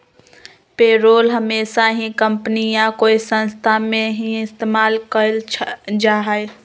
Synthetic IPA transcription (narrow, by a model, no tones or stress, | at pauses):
peːɾoːlɦəmeːsaɦĩkəmpnijãkoːisə̃nst̪ʰamẽɦĩɪst̪eːmaːlkəlʰd͡ʒaɦəe